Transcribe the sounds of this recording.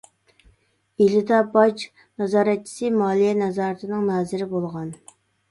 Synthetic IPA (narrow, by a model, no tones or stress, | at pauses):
elɪd̪ɑbɑt͡ʃ | nɑzɑːɾɛt̪̚t͡ʃʰi̥sɨmɑːlˠijɛnɛzɑːɾt̪ʰɨnɨŋnɑːzɪɾɪbolˠʁɑn